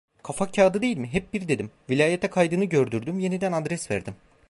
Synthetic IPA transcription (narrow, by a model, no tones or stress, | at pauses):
kʰafakcʰaːd̪ɯd̪e̞jilʲmiɦɛp̚biɾd̪e̞d̪imvilʲaːjet̪ʰɛkʰajd̪ɯnɯɟø̞ɾd̪yɾd̪ymje̞nid̪ænad̪ɾɛsvæ̰ɾd̪im